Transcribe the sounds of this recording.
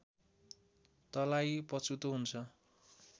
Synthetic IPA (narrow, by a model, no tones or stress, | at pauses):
t̪ʌlajpʌt͡sʰut̪oɦunt͡sʰʌ